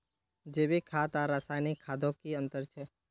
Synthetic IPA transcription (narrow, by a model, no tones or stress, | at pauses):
d͡ʒeːbikʰat̪aɾasajnikʰːad̪ʱõkiə̃nt̪əɾt͡ʃʰe